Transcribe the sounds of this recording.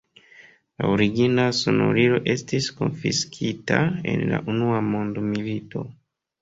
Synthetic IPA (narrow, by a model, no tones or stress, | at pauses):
laoɾiɡinasono̰ɾiɾo̞ʔe̞stisko̞nfiskʰitae̞nla̰ʔunuamondmilito̞